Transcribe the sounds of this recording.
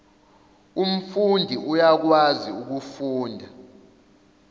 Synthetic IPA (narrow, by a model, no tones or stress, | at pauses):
um̩fundʱiʔujak̬waziuk̬ufuːndʱa